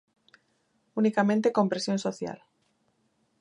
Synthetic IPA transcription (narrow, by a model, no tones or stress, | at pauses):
unikamẽnt̪ekõmpɾesjõnsoθja̰l